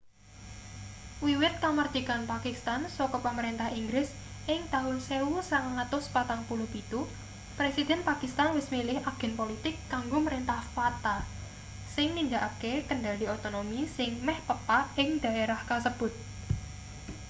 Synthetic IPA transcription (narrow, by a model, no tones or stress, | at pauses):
wiwɪt̪̚kamərʒ̥i̤kanpakist̪ansɔkɔpaməɾent̪ahiŋɡɾɪs | ʔɪŋt̪aɦʊlsewusaŋaŋat̪ʊspat̪aŋpulupit̪u | pɾesid̪̥ɛ̤npakist̪anwɪsmilɪhaɡ̥ɛ̤npolit̪ɪkːaŋɡoməɾent̪ahfat̪a | sɪŋnind͡ʒaʔakekəɳɖaliot̪onomisɪŋmɛhpəpaɪŋd̪̥a̤ʔeɾahkasəb̥ʊ̤t̪̚